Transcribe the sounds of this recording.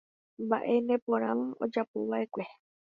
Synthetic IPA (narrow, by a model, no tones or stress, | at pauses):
mbaʔe̞nẽpõɾ̃ãod͡ʒapoβae̞kʷe̞